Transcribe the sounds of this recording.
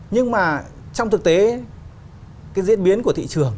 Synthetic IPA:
ɲɨ˧ŋmaː˨˩ | t͡ɕɔ˧wŋ͡mt̪ʰɨ˨˩k̚t̪e˨˦ | kaː˨˦jzḭ˧˥ənɓi˨˦ənku˧˩ət̪ʰḭ˧˨t͡ɕɨ˨˩əŋ

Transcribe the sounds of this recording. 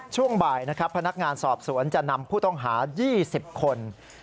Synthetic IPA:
t͡ɕʰu˥˩əŋbaː˨˩jna˦˥kʰɾa˦˥pʰːa˧na˦˥k̚ŋaː˧nsɔː˨˩p̚su˨˩˦ənt͡ɕa˨˩na˧mpʰuː˥˩ɔ˥˩ŋɦaː˩˦jiː˥˩si˨˩p̚kʰo˧n

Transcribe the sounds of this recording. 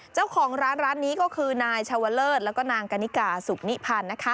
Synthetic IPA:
t͡ɕa˥˩wkʰɔː˩˦ŋɾaː˦˥nɾaː˦˥nːiː˦˥kɔː˥˩kʰɯː˧naː˧jt͡ɕʰa˧wa˧˥lɤː˥˩t̪̚lɛː˦˥wkɔː˥˩naː˧ŋka˧ni˦˥kaː˨˩su˨˩k̚ni˦˥pʰaː˧nːa˦˥kʰa˦˥

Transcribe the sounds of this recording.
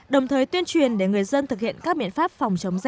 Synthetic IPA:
ɗə˨˩wŋ͡mt̪ʰəː˨˩jt̪wi˧ənt͡ɕwi˨˩ənɗe˧˩ŋɨ˨˩əjzə˧nt̪ɨ˨˩k̚hḭ˧˨ənkaː˦˥k̚ɓḭ˧˨ənfaː˦˥p̚fa˨˩wŋ͡mt͡ɕə˨˦wŋ͡mza˧

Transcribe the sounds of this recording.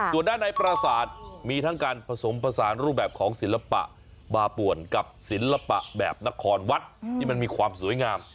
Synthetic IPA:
su˨˩əndaː˥˩nːa˧jpɾa˧saː˨˩˦t̪̚miː˧t̪ʰa˦˥˩ŋkaː˧npʰa˧so˩˦mpʰɾa˧saː˩˦nɾuː˥˩p̚bɛː˨˩p̚kʰɔː˩˦ŋsi˨˩˦nla˧pa̰˨˩ʔ | baː˧pu˨˩ənka˨˩p̚si˩˦nla˧pa̰˨˩ʔbɛ̰ː˨˩p̚na˦˥kʰɔː˧nwa˦˥t̪̚ʰiː˥˩ma˧nmiː˧kʰwaː˧msuː˨˩˦əjŋaː˧m

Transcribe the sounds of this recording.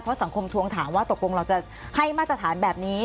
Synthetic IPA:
pʰɔ˦˥sa˨˩˦ŋkʰo˧mt̪ʰu˧əŋt̪ʰaː˩˦mwaː˥˩t̪o˨˩k̚lo˧ŋɾa˧wt͡ɕa˨˩ | ha˥˩jmaː˥˩t̪ɾa˧t̪ʰaː˩˦nbɛː˨˩p̚niː˦˥

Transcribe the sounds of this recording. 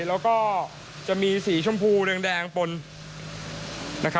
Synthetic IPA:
lɛː˦˥wkɔː˥˩ | t͡ɕa˨˩ʔmiː˧siː˩˦t͡ɕʰu˥˩mpʰuː˥˩ɾɯ˧ŋdɛː˧ŋpo˧n | na˦˥kʰa˦

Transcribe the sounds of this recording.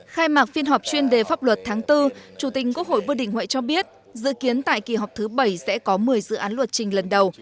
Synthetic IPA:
xaː˧jmaː˨˩k̚fi˧ənɦɔ˨˩wp̚t͡ɕwi˧ənɗe˨˩faː˦˥p̚lwə˨˩t̚t̪ʰaː˨˦ŋt̪ɨ˧t͡ɕu˧˩t̪ï˨˩k̟̚ku˦˥ək̚ho̰˧˨jvɨ˧ɗḭ˧˩ŋ̟hwḛ˧˨jt͡ɕɔ˧ɓi˦˥ət̚ | zɨ̰˧˨ki˨˦ənt̪a̰ː˧˨jki˨˩ɦɔ˨˩wk͡p̚t̪ʰɨ˨˦ɓə˧˩jsɛ̰˧˥kɔ˨˦mɨ˨˩əjzɨ̰˧˨ʔaː˨˦nlwə˨˩t̚t͡ɕï˨˩ŋ̟lə˨˩nɗə˨˩w

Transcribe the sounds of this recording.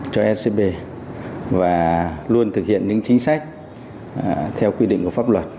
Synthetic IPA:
t͡ɕɔ˧ʔɛ˦˧se˧ɓe˧ | vaː˨˩lu˧ənt̪ʰɨ˨˩k̚hḭ˧˨ənɲɨ̰˧˥ŋt͡ɕi˨˦ŋ̟sa˦˥jk̚ | t̪ʰɛ˧wkwi˧ɗḭ˧˨ŋku˧˩əfaː˦˥p̚lwə˨˩t̚

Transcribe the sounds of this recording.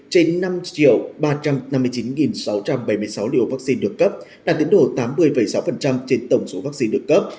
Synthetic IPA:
t͡ɕe˧nːa˧mt͡ɕi˧˨əwɓaː˧t͡ɕa˧mna˧mːɨ˧əjt͡ɕi˨˦nŋi˨˩nsa˨˦wt͡ɕa˧mɓa˧˩jmɨ˧əjsa˨˦wlḭ˧˨o˨˩vaː˦˥k̚si˧nɗɨ˨˩əkːə˦˥p̚laː˨˩t̪ḭ˧˥əŋɗo˨˩t̪aː˨˦mːɨ˧əjfə˨˩jsa˨˦wfə˨˩nt͡ɕa˧mt͡ɕe˧nt̪ə˧˩wŋ͡mso˨˦vaː˦˥k̚si˧nɗɨ˨˩əkːə˦˥p̚

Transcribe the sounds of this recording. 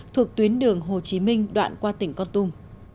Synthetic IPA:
t̪ʰu˨˩ək̚t̪wi˨˦ənɗɨ˨˩əŋɦo˨˩t͡ɕi˨˦mï˧ŋ̟ɗwa̰ː˧˨nkwaː˧t̪ï˧˩ŋ̟kɔ˧nt̪ʊ˧m

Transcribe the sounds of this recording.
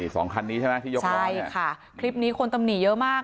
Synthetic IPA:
i˧˩sɔ̰ː˩˦ŋkʰa˧nːiː˦˥t͡ɕʰa˥˩na˦˥t̪ʰiː˥˩jo˦t͡ɕʰa˥˧˥jkʰa˥˩ | kʰli˦˥p̚niː˦˥kʰo˧nt̪a˧mni˨˩jɤ˦˥ʔmaː˥˩k

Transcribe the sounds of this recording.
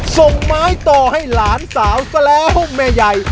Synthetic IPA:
so˧˩ŋmaː˦˥jt̪ɔː˧˩ha˥˩jlaː˩˦nsaː˩˦wkɔː˧˩lɛː˦˥ho˥˩m̚mɛː˧˩ja˧j

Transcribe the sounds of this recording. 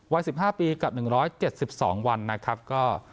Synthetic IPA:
wa˦˥jsi˨˩p̚haː˥˩piː˧ka˨˩p̚nɯ˨˩ŋɾɔː˦˥jt͡ɕe˨˩t̪̚si˨˩p̚sɔː˩˦ŋwa˧nːa˦˥kʰa˦˥p̚kɔː˥˩

